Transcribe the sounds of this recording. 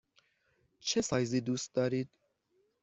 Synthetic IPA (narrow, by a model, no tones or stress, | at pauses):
t͡ʃʰɛsɑjzid̪usd̪ɑɾit̪